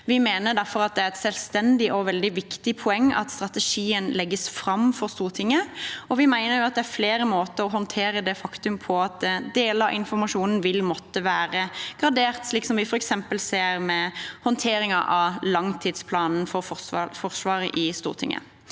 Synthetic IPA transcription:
ʋɪmeːnəd̪æɾfɔɾɑt̪̚d̪ɛæɾɛt̪sɛlst̪ɛnd̪ɪʔɔʋɛld̪ɪʋɪkt̪ɪpʰʊɛŋːɑ̰t̪st̪ɾɑt̪əʂiːənlɛɡːəsfɾɑmfɔɾst̪uːɾt̪ʰɪŋːəɔʋɪmæɪnəɾjʊɑt̪̚d̪ɛæɾfleːɾəmoːt̪əɾɔɦɔnt̪ʰeːɾəd̪ɛfɑkt̪ʉmpʰɔɑt̪̚d̪eːləɑ̰ʔɪnfɔɾmɑʃuːnn̩ʋɪlmɔt̪ːəʋæːɾəɡ̥ʁɑd̪eːɾt̪sliːksɔmʋɪfɔɾɛksɛmpəlseːɾmɛhɔnt̪ʰeːɾɪŋɑʔɑlɑŋt̪ʰɪːd̪spʰlɑːnn̩fɔɾfɔɑfɔɾsʋɑːɾə̰ʔɪst̪ṵːʁt̪ʰɪ̰ŋːə̰

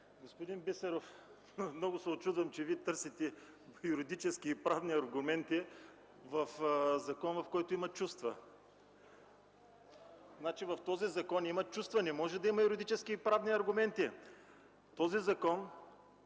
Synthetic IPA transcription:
ɡospʊd̪inbisɛɾof | mnɔɡʊsɛot͡ʃud̪vɐmt͡ʃɛviɛt̪ɤɾsit̪ɛ | jʊɾid̪it͡ʃɛskiːpɾavniɐɾɡʊmɛnt̪i | vɐfzɐkɔnvɐfkɔjt̪ʊimɐt͡ʃust̪vɐ | znat͡ʃivɐft̪ɔzizɐkɔnimɐt͡ʃust̪vɐnɛmɔʒɛd̪ɐimɐjuɾid̪it͡ʃɛskiːpɾavniɐɾɡʊmɛnt̪i | t̪ɔzizɐkɔn

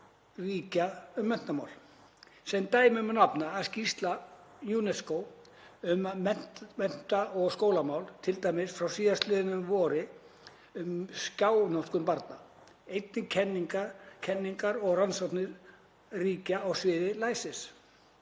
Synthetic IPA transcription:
riːcaʏmːɛn̥t̪ama̰wl | sɛnt̪aːjmmnapnaːðscist̪lanjuːnɛskow | ʏmaɛn̥mɛn̥t̪aɔɣskoːwlamaːwlt̪ʰɪlt̪aːjmɪsfɾawsiːðast̪lɪːðɪnʏmvɔːɾɪ | ʏmscaːwnɔ̥kʏmpaɾt̪na | ejt̪nɪcʰɛnːiŋkacʰɛnːiŋkaɾɔɣransɔt̪nɪɾ | riːcaːwsvɪːðɪlaːjsɪs

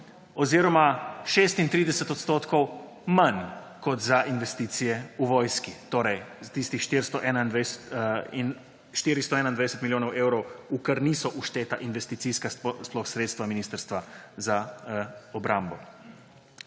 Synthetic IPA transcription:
ɔziːɾɔmaʃeːst̪int̪ɾiːd̪ɛsɛt̪ɔt̪st̪oːt̪kɔw | man | kɔt̪zaʔinʋɛst̪iːt̪sijɛuʋɔːjskit̪oːɾɛjzt̪ist̪ixʃt̪iɾst̪ɔʔɛːnaind̪ʋsin | ʃt̪iːɾist̪ɔɛːnaind̪ajd̪ɛsɛt̪miljoːnɔweːwɾɔwukəɾniːsɔʔuʃt̪eːt̪aʔinʋɛst̪it̪siːskasplɔxsɾeːt̪st̪ʋaminiːst̪əɾst̪ʋaza | ɔbɾaːmbɔ

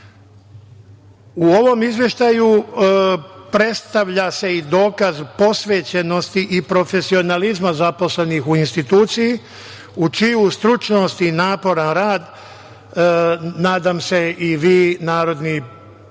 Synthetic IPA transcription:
uo̞ʋo̞mizʋje̞ʃt̪aju | pɾe̞t̪st̪aʋʎase̞id̪o̞ːkazpo̞sʋeːt͡ɕeno̞st̪iʔipɾo̞fe̞sio̞nalizmazapo̞slenixuinst̪it̪uːt̪siji | ut͡ʃijust̪ɾut͡ʃno̞st̪inaːpo̞ɾanɾaːd̪ | naːd̪aːmse̞iʋiːnaːɾo̞d̪ni

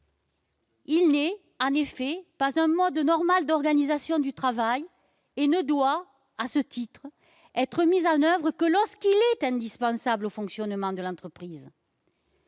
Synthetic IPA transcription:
ilnɛ | ɑ̃nefɛpazɛ̃mɔd̪nɔʁmald̪ɔʁɡanizasjɔ̃d̪yt̪χavaj | enəd̪wa | asət̪it̪χə | ɛt̪χəmizɑ̃nœvʁəkəlɔʁskilɛt̪ɛ̃d̪ispɑ̃sablofɔ̃ksjɔnmɑ̃d̪əlɑ̃t̪χəpχiz

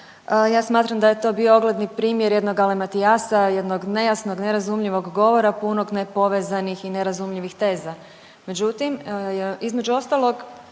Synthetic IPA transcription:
jaːsmaːt̪ɾamd̪ajet̪o̞ːbiooɡlˠed̪nipɾiːmjeɾje̞d̪no̞ɡalemat̪iasaje̞d̪noɡne̞jasno̞ɡne̞ɾazumʎiʋo̞ɡːo̞ʋo̞ɾapuno̞ɡnepo̞ʋe̞zanixine̞ɾazumʎiʋixt̪e̞ːza | me̞d͡ʑut̪imizme̞d͡ʒuo̞st̪alˠo̞ɡ

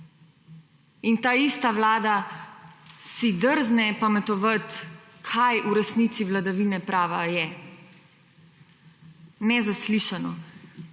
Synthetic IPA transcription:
int̪aːist̪aʋlaːd̪a | sid̪əɾznɛpamɛt̪ɔʋət̪kʰajʔuɾɛsniːt̪siʋlad̪aʋiːnɛpɾaːʋajɛ | nɛzasliʃanɔ

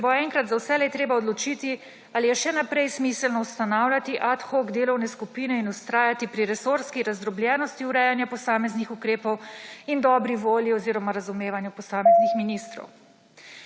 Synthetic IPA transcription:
sɛboɛŋkɾat̪zawsɛlɛt̪ɾeːbaɔd̪lɔt͡ʃiːt̪i | alijɛʃɛnapɾɛjsmisəlnɔust̪anaːwlʲjat̪iʔat̪xoɡd̪eːlɔwnɛskupiːnɛinust̪ɾaːjat̪ipɾiɾɛsoɾskiɾazd̪ɾɔblʲjɛːnɔst̪iuɾɛjanjapɔsaːmɛznixukɾeːpɔwind̪ɔːbɾiʋoːljiɔziːɾɔmaɾazumeːʋanjupɔsaːmɛznixminist̪ɾɔ̰w

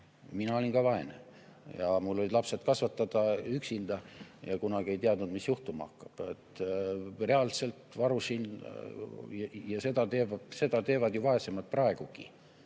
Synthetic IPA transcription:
minɑo̞lʲinkɑvɑe̞nejɑmulːolid̪lɑpse̞t̪kɑsvɑt̪ːɑd̪̥ɑyksind̪̥ɑjɑkunɑɡ̥ie̞jt̪iɑd̪nud̪misjuht̪umɑɑ̰hkːˑɑb̥et̪ː | re̞ɑlse̞lt̪ˑvɑɾusin | jɑse̞d̪̥ɑt̪e̞ːvɑse̞d̪̥ɑt̪e̞ːvɑd̪̥juvɑe̞semɑlt̪̚prɑe̞ɡ̥uɡ̥i

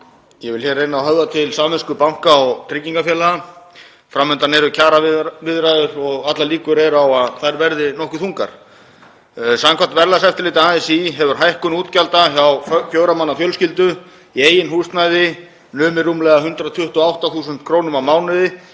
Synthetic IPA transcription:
jɛvɪlçɛːrːejnaawɦœvðat̪ʰɪlsaːmmɛskʏpawŋ̥kaɔɣt̪ʰɾɪcːiŋkafjɛːla | fɾamːʏnt̪anɛɾʏcʰaːɾavɪðɾajðʏɾɔɣat̪laliːkʏɾɛɾawaðθaðɛɾvɛɾðɪnɔhkʏθuŋka̰ɾ̥ | saŋkʰvat̪vɛɾlasɛft̪ɪɾliːt̪aaːsiɦɛvʏɾ̥ɦajhkʏnuːt̪calt̪açawfjœːwɾamanːafjœlscɪlt̪ʏ | iejɪnɦuːst̪najðɪ | nʏːmɪɾumlɛɣaɦʏnt̪ɾat̪ʰʏht̪ʏɔawht̪aθuːsʏnt̪kʰɾoːwnʏmawmaːwnɪðɪ

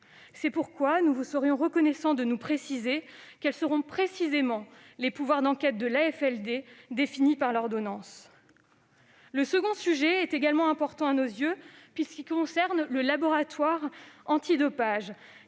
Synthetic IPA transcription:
sɛpuʁkwanuvusəʁjɔ̃ʁəkɔnɛsɑ̃d̪ənupχesizekɛlsəʁɔ̃pχesizemɑ̃lepuvwaʁd̪ɑ̃kʲɛt̪̚d̪əlaɛfɛld̪ed̪efinipaʁlɔʁd̪ɔnɑ̃s | ləsəɡɔ̃syʒɛɛt̪eɡalmɑ̃ɛ̃pɔʁt̪ɑ̃anozjøpɥiskʲikɔ̃sɛʁnləlabɔʁat̪waʁɑ̃t̪id̪ɔpaʒ

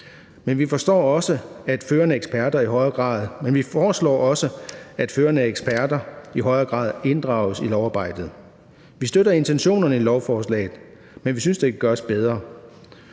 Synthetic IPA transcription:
menʋifɒ̽sd̥ɒ̰ːɒ̽səæd̥føːɐnəeɡ̥sb̥ʰæɐd̥ɐiɦɒ̽ɪɐɡ̥ʁɑ̰̈ːð̞̩ˠmenʋifɒːslɒ̰ːʔɒ̽səæd̥føːɐnəeɡ̥sb̥ʰæɐd̥ɐiɦɒ̽ɪɐɡ̥ʁɑ̰̈ːð̞̩ˠe̝nd̥ʁɑ̈ʊəsilɒʊɑ̈ːb̥ɑ̈ɪ̰d̥ð̩ˠ | ʋisd̥øɾɐe̝nt͡sʰenɕo̝̰ːnɐnəilɒʊfɒːslɛ̰ɪð̩ˠ | menʋisynsd̥e̝kʰæɡ̥ɶɐsb̥eð̞ˠʁɐ

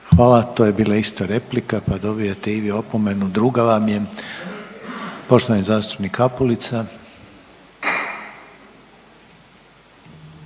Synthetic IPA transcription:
xʋaːlat̪oje̞biːlaist̪aɾe̞plikapad̪o̞bijet̪eiʋio̞pome̞nud̪ɾuːɡaʋamje̞ | po̞ʃt̪oanizaːst̪u̥pnikapolit̪sa

